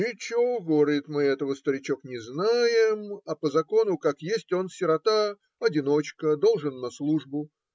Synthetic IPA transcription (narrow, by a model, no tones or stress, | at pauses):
ɪt͡ɕɪoɡoɾəɪt̪mɨɛt̪əvəst̪əɾʲɪt͡ɕo̞knʲɪznajɪmɐpəzɐko̞nʊkakjesʲtʲo̞nsʲɪɾɐt̪a | ɐdʲɪno̞t͡ɕkəd̪o̞lˠʐɨnːɐslˠuʐbʊ